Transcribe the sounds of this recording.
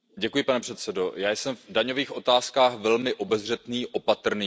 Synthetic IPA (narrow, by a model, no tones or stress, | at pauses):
ɟɛkujɪpanɛpr̥ɛt̪sɛdo̞jaːjsɛmvdaɲo̞viːxʔo̞t̪aːskaːxvɛlmɪʔo̞bɛzr̝ɛt̪niːʔo̞pat̪r̩niː